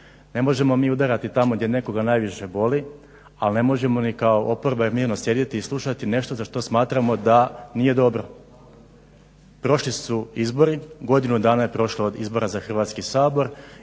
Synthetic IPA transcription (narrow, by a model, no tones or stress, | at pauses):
ne̞mo̞ʒe̞momiːud̪aɾat̪it̪amoɡd̪je̞ne̞ko̞ɡanajʋiʃe̞bo̞li | alne̞mo̞ʒe̞mo̞nikaoʔopo̞ɾbailmiːɾno̞sje̞d̪jet̪iːslˠuʃat̪ine̞ʃt̪ozaʃt̪o̞smaːt̪ɾamo̞d̪anije̞d̪o̞bɾo̞ | pɾo̞ʃlisuizbo̞ɾiɡo̞d̪inud̪aːnaje̞pɾo̞ʃlood̪izbo̞ɾazaxr̩ʋat̪skisaːbo̞ɾ